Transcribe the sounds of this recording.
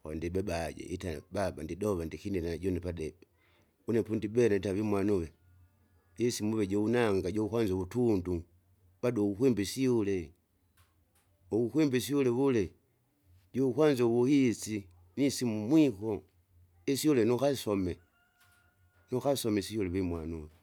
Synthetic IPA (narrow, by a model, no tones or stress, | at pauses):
kɔ̰ndibɛbaɟɛ̰itababandidɔβandikindinanaɟɔnɛpadɛbɛ | unɛpundibɛnaitaβimwanuwɛ | ɟɛsimuβɛɟɔunaŋɡaɟɔukwanzɔβutundu | baduukwimbisiulɛ | uukwimbis̬iulɛβulɛ | ɟɔukwanzɔβuhisi | nisimumwikɔ | isiulɛnukasɔmɛ | nukasɔmɛsiulɛβimwanuwɛ